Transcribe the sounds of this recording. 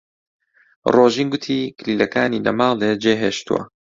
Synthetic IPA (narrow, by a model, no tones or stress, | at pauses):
roːʒiːnɡʊt̪ʰiːkʰlilɐkaːniːlɐ̰mɑːlˠed͡ʒeːɦeːʃt̪uwɐ̰